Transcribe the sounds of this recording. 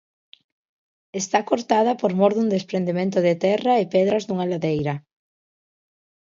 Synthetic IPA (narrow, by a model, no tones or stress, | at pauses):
est̪akoɾt̪aðɐpoɾmoɾðund̪espɾend̪emẽnt̪ʊðet̪ɛraɪpɛðɾɐzd̪uŋalaðejɾɐ